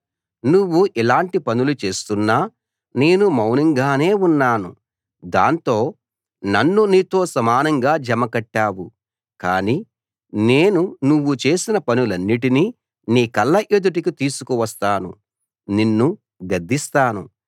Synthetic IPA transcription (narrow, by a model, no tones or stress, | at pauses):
nuwːuʔilaːɳʈipɐnulut͡ʃe̞ːst̪unːaː | ne̞ːnumɐwnɐŋɡaːne̞ːunːaːnṵ | d̪a̰ːnt̪o̞ː | nɐnːuniːt̪o̞ːsɐmaːnɐŋɡaːd͡ʒɐmɐkɐʈːaːwu | kaːni | ne̞ːnunuʋːut͡ʃe̞ːsinɐpɐnulɐnːiʈ̬ini | niːkɐlːɐʔed̪uʈ̬ikit̪iːsu̥kuʋɐst̪aːnṵ | ninːu | ɡɐd̪ʱːist̪aːnṵ